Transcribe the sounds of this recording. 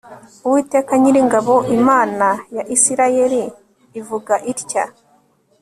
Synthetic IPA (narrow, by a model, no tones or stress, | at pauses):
uwiːte̞ːkaɲiɾiŋɡaβo̞ʔimaːnajaʔisiɾaje̞ɾiː | vuɡaʔiɾca̰